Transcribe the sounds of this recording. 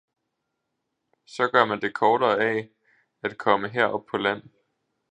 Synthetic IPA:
sɒ̽ɡ̥ɶɐmænd̥e̝kʰɒːɾ̥ɐːɛ | æd̥̚kʰɒ̽məɦeɐ̰ʔɒ̽b̥̚pʰɒ̽læn̰

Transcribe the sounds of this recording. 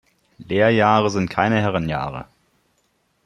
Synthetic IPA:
leːɐjaːʁəzɪntkʰaɪnəhɛʁanja̰ːʁə̰

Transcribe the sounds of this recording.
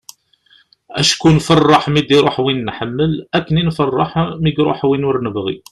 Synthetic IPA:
æʃkunfɑrˤːɑħmid̪iɾˤoħwinːħəmːəlækːəninfɑrˤːɑħmiɡɾˤo̰ħwinʊɾnəvʁḭ

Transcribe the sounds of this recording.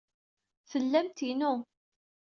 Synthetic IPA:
θəlːæmt̪inu

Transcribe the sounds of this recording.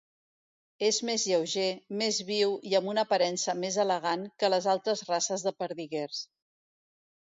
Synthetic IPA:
ezmezʎəwʒemezβiwiəmbunəpəɾɛnsəmezələɣ̞aŋkələzalˠt̪ɾəzrasəzðəpəɾðiɣers

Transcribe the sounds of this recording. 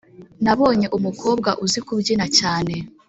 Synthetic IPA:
naβo̞ːɲe̞ʔumuko̞ːbɡaʔuzikubɟinacaːne̞

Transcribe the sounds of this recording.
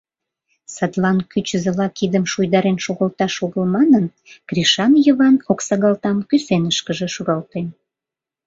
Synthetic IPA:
sɑd̪lɑnkyt͡ɕəzə̆lɑkid̪əmʃujd̪ɑɾenʃoɣəlt̪ɑʃoɣəlmɑnən | kriʃɑnjəβɑnoksɑɣɑlt̪ɑmkysenəʃkəʒeʃuɣɑlt̪en

